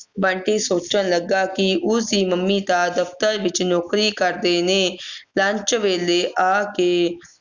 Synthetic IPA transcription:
bə̃ɳʈiːsoːt͡ʃənləɡaːkɪʔʊsiːməmːiːt̪aːd̪əft̪əɾʋɪt͡ʃnoːkɾiːkəɾd̪eːneːlə̃ɲt͡ʃʋeːleːʔaːkeː

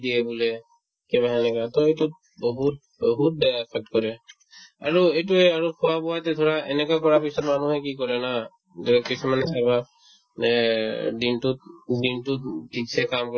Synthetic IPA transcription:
d̪ijebulɛ | kɛbaɦɛnɛkat̪ɔetu | bɔɦut̪̚ | bɔɦut̪̚bɛpʰɛk̚ʈkɔɹɛ | a̰ɹuejt̬uɛaɹukʰɔwabɔwat̪ɛt̪ʰoɹaenekakɔɹapisɔtmanuɦɛkikɔɹɛna | d͡ʒɔkisumanesaba | dintudintutisʰɛkamkɔ

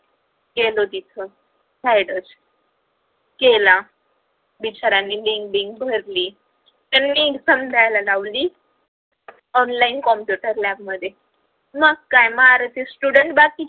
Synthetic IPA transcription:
ɡelod̪it̪ʰə | sajɽəs | kela | bit͡ɕaɾanːiːliŋkbiŋɡbʱəɾliː | t̪anmiːsəmd̪ʱajlalaʋliː | ɔnlainkɔmpjuʈəɾlɛb̚məd̪ʱje | məɡkːajmaɾt̪isʈuɽəɳʈbaki

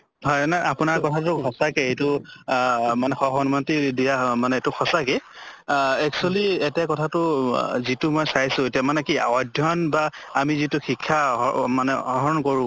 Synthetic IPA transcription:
ɦɔjnajapʊnaɹkɔtʰatʊkʰɔsakɛejtʊ | manɛxɔxɔnumɔntidijamanɛtʊxʰɔsake | ɛk̚sualietijakɔtʰatʊzitʊmɔjsajsʊ̃etijamanɛkiɔdʱjɔnbaːmizitʊxikʰːamanɛɔɦɔɹɔnkoɹʊ̃

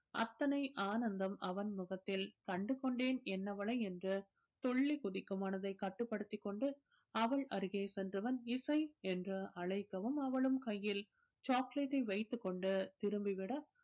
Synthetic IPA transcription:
ʔɐ̰t̪ːɐnɐɪʔaːnɐnd̪ɐmɐʋɐnmʊɣɐt̪ːɪlkɐɳɖɯkːɔɳɖeːnɛnːɐʋɐɭɐɪɛndrɯ | t̪ɔɭːikʊðɪkːɯmaːnɐðɐɪkːɐʈːɯpːɐɽɯt̪ːɪkːɔɳɖɯ | ɐʋɐɭʔɐɾɯɣeːsɛndrɯʋɐnɪsɐɪɛndrɯɐɭɐɪkːɐʋɯmɐʋɐɭɯmkɐjːɪl | t͡ʃaːkleʈːɐɪʋɐɪt̪ːɯkːɔɳɖɯt̪ɪɾɯmbɪʋɪɽɐ

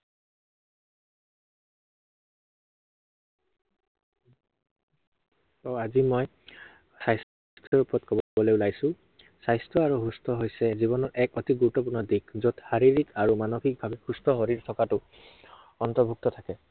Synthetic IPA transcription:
ɔazimɔj | sajs | tʰɔɹupɹɔtkʰɔbbɔlojulajsʊ̃ | sajstʰɔaɹuɦustʰɔɦojsɛziβɔnɔɹʔɛkɔtiɡuɹutːɔp̬uɹnɔdikzotxaɹiɹikaɹumanoxik̚bʱabɛxustʰɔɦoɹiɹtʰɔkatʊ | ɔntɔɹbʱuk̚tɔtʰakɛ

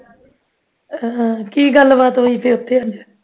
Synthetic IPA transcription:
kiːɡəlbaːt̪ɦoːiːp̪ʰeːʊt̪ʰːeːɦə̃nd͡ʒ

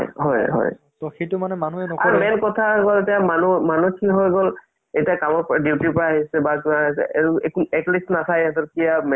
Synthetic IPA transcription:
jɦɔjɦɔ̰j | tɔxetumanɛmanuɛnɔka̰ɹmɛnkɔtʰaɡɔletiamanumanukʰiɦɔjɡɔl | etiakamɔɹpɔɹadiwtipɔɹaaɦisɛbakunaɦisɛ̰ʔeɹukuɛklisnatʰajɛtɔtkijamɛ

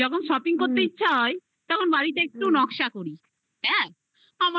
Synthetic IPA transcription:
ɔkʰonʃɔpiŋkoɾt̪ːeitːɕʰaɦɔe | t̪ɔkʰonbaɾit̪eek̚ʈunɔkʃakoɾi | ɦɛ̃ | ama

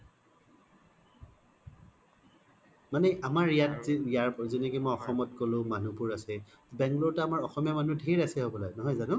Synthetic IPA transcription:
manɛʔamaɹijatjaɹzinekimɔjɔxɔmɔtkolʊ̃manupuɹasɛ | bɛŋɡlotaamaɹɔxɔmijamanudʱiɹasɛɦobɔlaɡnɔɦɔjzanʊ

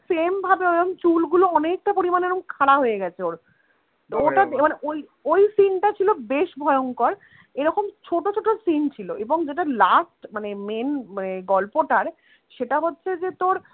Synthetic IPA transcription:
sembʱabeoomt͡ɕulɡuloɔnek̚ʈapoɾimaneɾoŋkʰaɽaɦojeɡɛt͡ɕʰeoɾ | oʈad̪maneʔoj | ojsinʈat͡ɕʰilobeʃbʱɔeoŋkɔɾ | eɾɔkomt͡ɕʰoʈot͡ɕʰoʈosint͡ɕʰiloeboŋd͡ʑeʈalasʈmanemenmaneɡɔlpoʈaɾ | ʃeʈaɦotːɕʰed͡ʑet̪oɾ

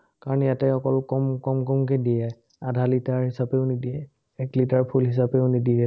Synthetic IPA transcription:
kaɹɔnɛjatɛɔkɔlkɔmkɔmkɔmkɛdijɛ | adʱalitaɹɦisapɛʊnidiɛ | ɛklitaɹpʰulɦis̬apɛʊnidiɛ

